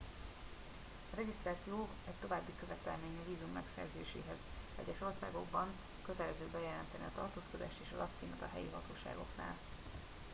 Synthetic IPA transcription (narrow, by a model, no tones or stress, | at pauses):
ɒrɛɡist̪raːt̪sijoːv | ɛct̪o̞vaːbːikø̞vɛt̪ɛlmeːɲɒviːzumːɛksɛ̰rzḛːʃḛːɦɛzɛ̰ɟɛʃo̞rsaːɡo̞ɡbɒŋ | køt̪ɛlɛzøːbɛjɛlɛnt̪ɛnɛɒt̪ɒrt̪oːsko̞d̪aːʃt̪eːʃɒlɒkt̪siːmɛt̪ɒɦɛjḭɦɒt̪oːʃa̰ːɡo̞̰kna̰ːl